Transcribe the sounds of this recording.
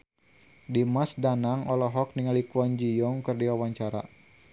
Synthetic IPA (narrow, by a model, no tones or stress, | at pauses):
dimasdanaŋɔlɔɦɔk̚niŋalikuand͡ʒijɔŋkɨrdiwawaɲt͡ʃaɾa̰